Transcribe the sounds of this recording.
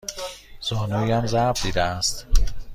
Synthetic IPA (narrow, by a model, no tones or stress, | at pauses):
z̥ɒːnuːiæmzæbd̪iːd̪eæst̪